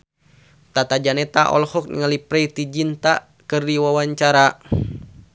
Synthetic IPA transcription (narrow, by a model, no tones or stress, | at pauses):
t̪at̪ad͡ʒanɛt̪aʔɔ̰lhɔk̚nŋalipɾɛit̪id͡ʒint̪a | kɨrdiwawaɲt͡ʃaɾa